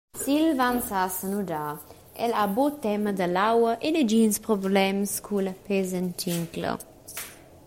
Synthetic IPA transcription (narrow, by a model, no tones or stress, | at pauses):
silvansasənuda | ɛ̰labot̪ɛməd̪əlawəʔenəd͡ʒinspɾɔblɛmskʰuləpezəntiŋklə̰